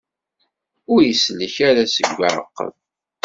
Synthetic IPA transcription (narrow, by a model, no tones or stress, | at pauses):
ʊɾjəsləçaɾasəɡʷːaʕə̰qːə̰ð